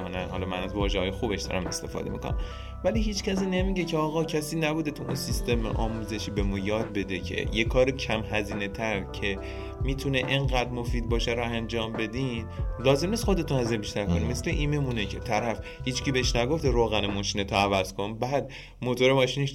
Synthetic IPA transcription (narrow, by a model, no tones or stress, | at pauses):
nænhɒ̰lɒmænæzvɒːʒehɒːjexubeʃd̪ɒ̰ːɾæ̰me̞st̪e̞fɒ̰ːd̪e̞mḭko̰næ̰m | væliɦiːt͡ʃcʰæs̬iːnemiɟe̞cʰeɒːɣɒːcʰæsiːnæbuːd̪et̪ʰuʔunsist̪e̞mḛʔɒ̰ːmuːze̞ʃiːbe̞mujɒːd̪̚be̞d̪e̞cʰḛjekʰɒːɾecʰæmɦæziːne̞t̪ʰæɾcʰe̞ | miːt̪ʰuneʔeŋɢæːd̪mo̞fiːd̪̚bɒːʃeɾɔænd͡ʒɒːmbe̞d̪iːnlɒːze̞mniːst̪xo̞d̪e̞t̪ʰunhæziːnebiʃt̪æɾkʰonimesleʔiːme̞munecʰḛt̪ʰæɾæf | hiːt͡ʃcʰiːbeeʃnæɡo̞ft̪eɾoːɣænemɒːʃiːnet̪ʰoævæz̥kʰo̞nbæːd̪ | mot̪ʰoɾemɒːʃiːneʃ